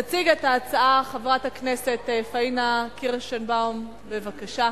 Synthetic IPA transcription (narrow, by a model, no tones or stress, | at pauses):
at͡siɡetaːt͡saaχavʁataknesetefainakiʁʃenbaum | bevakaʃa